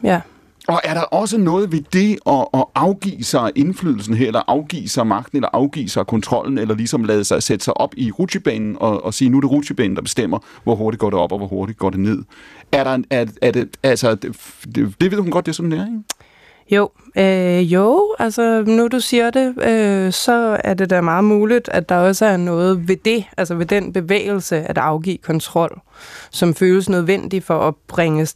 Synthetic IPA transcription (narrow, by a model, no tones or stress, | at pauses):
jæ | ɒ̽ʔæɐɾɑ̈ʔɒ̽s̬ənɔ̽ːð̞̩ˠʋe̝d̥e̝ɒ̽ɒɑ̈ʊɡ̥ḭːsɑ̈ɪʔe̝nfly̰ːðˠl̩sn̩ɦeɐ̰elɐʔɑ̈ʊɡ̥ḭːsɑ̈ɪmɑ̈ɡ̥d̥n̩elɐʔɑ̈ʊɡ̥ḭːsɑ̈ɪkʰɔ̽nt͡sʰʁɒ̽l̰n̩elɐlisɒ̽mlɛːð̞ˠəsɑ̈ɪsed̥ə̥sɑ̈ɪʔɒ̽b̥iʁudib̥ɛ̰ːnn̩ɒ̽ːsiːnuæɾe̝ʁudʰib̥ɛ̰ːn̩̥ɑ̈b̥e̝sd̥em̰ɐʋɒɦo̝ɐɾid̥̚ɡɒ̰ːdɾe̝ɒ̽b̥ɒ̽ʋɒho̝ɐɾid̥̚ɡ̥ɒ̰ːd̥e̝ne̝ð̞̰ˠæɐɾɑ̈æɐæɐdeælsɐ | d̥eʋeðˠhunɡ̥ɒ̽d̥̚d̥e̝sɒ̽md̥eæɐeŋ | joʊøjoʊælsɐnɒd̥usiːɐd̥e̝øsɒ̽æɐde̝dæmɑ̈ːð̩ˠmuːlid̥æd̥ɑ̈ɒ̽səæɐnɔ̽ːð̞̩ˠʋe̝d̥e̝ʔælsɐʋe̝d̥enb̥e̝ʋḛːɪl̩səæd̥ɑ̈ʊɡ̥ḭːkʰɒ̽nt͡sʰʁɒ̽l̰sɒ̽mføːləsnøð̞ˠʋen̰d̥ifɒ̽ʔɒb̥ʁeŋə